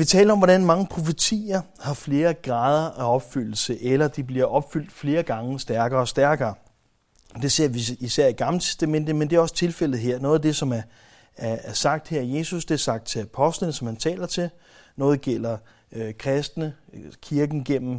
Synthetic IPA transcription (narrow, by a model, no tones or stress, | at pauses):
ʋit͡sʰɛ̰ːlɐɒ̽mʋɒɾænmɑ̈ŋəpʰʁo̝fət͡sʰḭːɐhɑ̈fle̝ːɐɡ̥ʁɑ̈ːð̞ˠɐʔæɒ̽b̥fyl̰l̩səʔelɐd̥ib̥liɐʔɒ̽b̥fyl̰d̥fle̝ːɐɡ̥ɑ̈ŋəsd̥æɐɡ̥ɐːɒ̽sd̥æɐɡ̥ɐː | d̥e̝se̝ɐ̰ʋiisæɐ̰iɡ̥ɑ̈mlət͡sʰe̥sd̥æmen̰d̥ð̩ˠmend̥e̝æɐɒ̽sə̥t͡sʰe̝lfel̰ð̞̩ˠɦe̝ɐ̰nɔ̽ːð̩ˠæd̥e̝sɒ̽mæɐ | æɐsɑ̈ɡ̥̚d̥heɐ̰ije̝ːsusd̥e̝æɐsɑ̈ɡ̥̚d̥t͡sʰe̝læpʰɒ̽sd̥lənəsɒ̽mhænt͡sʰɛ̰ːlɐt͡sʰe̝l | nɔ̽ːð̞̩ˠɡ̥el̰ɐ | økʰʁɛsd̥nəkʰiɐɡ̥n̩ɡ̥en̰m̩